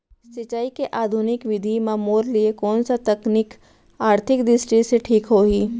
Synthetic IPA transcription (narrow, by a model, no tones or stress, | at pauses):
sɪt͡ʃaːikeʔaːd̪ʱʊnɪkʋɪd̪ʱimãmoːɾliekɔːnsat̪ɐknɪk | aːɾt̪ʰɪkɖɪsʈiseʈʰiːkɦoːɡiː